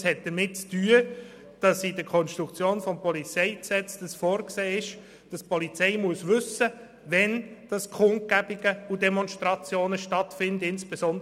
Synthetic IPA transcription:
shɛt̚d̥əɾmɪt̚t͡styːə | d̥ɑsidəkʰɔnʃtɾukt͡sjoːnfɔmpɔlit͡sɛɪksɛt͡sd̥ɑsfoːɾkseːɪʃ | d̥ɑspɔlit͡sɛɪmuəsvʏsə | vɛnd̥ɑskʰʊnt̚kæbɪɡəudɛmɔnʃtɾɑt͡sjoːnəʃtɑtfɪndɪnsb̥esɔnd

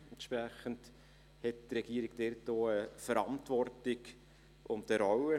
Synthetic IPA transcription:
ntʃpɾæχənt | hɛttrɛɡ̥iəɾɪɡdɛɾtoːəfəɾɑntvɔrtɪɡ | ʔʊmtəɾɔwə

